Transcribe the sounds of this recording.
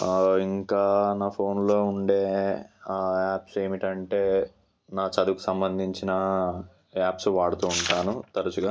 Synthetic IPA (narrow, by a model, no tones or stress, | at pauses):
iŋkaːnaːpʰo̞ːnlo̞ːuɳɖe̞ːaːaːpse̞ːmiʈɐɳʈe̞ː | naːt͡ʃɐd̪uku̥sɐmbɐnd̪ʱiɲt͡ʃinɐ | aːpsʋaːɽut̪uːɳʈaːnut̪ɐɾɐt͡ʃuɡaː